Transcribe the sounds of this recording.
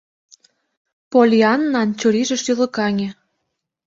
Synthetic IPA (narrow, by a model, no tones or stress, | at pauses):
polʲiɑnːɑnt͡ɕuɾiʒĕʃylɤ̆kɑŋʲĕ